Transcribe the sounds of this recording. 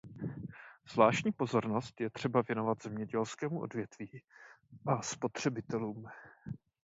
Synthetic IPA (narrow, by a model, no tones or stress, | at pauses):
z̥vlaːʃcɲiːpo̞zo̞ɾno̞st̪jɛt̪r̥ɛbavjɛno̞vat̪z̥ɛmɲɛɟɛlskɛːmuʔo̞̰dvjɛt̪viːʔaspo̞t̪r̝̥ɛbɪt̪ɛluːm